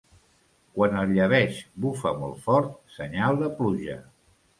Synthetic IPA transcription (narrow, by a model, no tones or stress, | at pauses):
kwanəʎəβ̞ɛʃbufə̰mɔ̰lˠt̪fɔɾt̪̚səɲalˠd̪əpluʒə̰